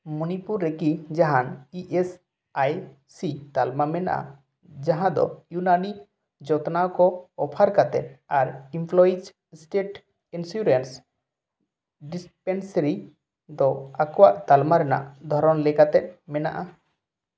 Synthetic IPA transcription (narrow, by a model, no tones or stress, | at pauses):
munipuɾːekid͡ʒaɦaniʔes | aj | sit̪almamɛna̰ʔa̰ | d͡ʒaɦãd̪ɔ̰junani | d͡ʒɔt̪nawkɔːpʰaɾkat̪ɛ̰t̪̚aɾimpʰlɔid͡ʒ | sʈeʈ | insuɾens | ɖispɛnsɾi | d̪ɔakɔwaʔt̪almaɾɛna̰ʔd̪ʱɔɾɔnlɛkat̪ɛt̪̚ˀmɛna̰ʔa